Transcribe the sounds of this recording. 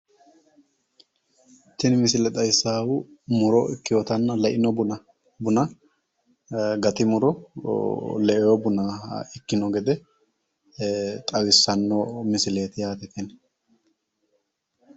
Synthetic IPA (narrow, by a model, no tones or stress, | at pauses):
t̪ːɪnmɪsɪlɛt̪ʼɐjsːaːwʊmʊɾɔɪkːɪjɔt̪ɐnːɐlɛʔɪnɔbʊn | bʊnɐ | ɡɐt̪ɪmʊɾɔ | lɛʔɛjɔbʊnɐɪkːɪnɔɡɛd̪ɛ | t̪ʼɐwɪsːɐnːɔmɪsɪle̞ːt̪ɪjaːt̪ɛt̪ɛn